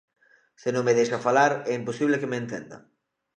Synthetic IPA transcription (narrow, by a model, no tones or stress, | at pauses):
senõŋmeðejʃafalaɾɛimposiβlekemeːnt̪ḛnd̪ɐ̰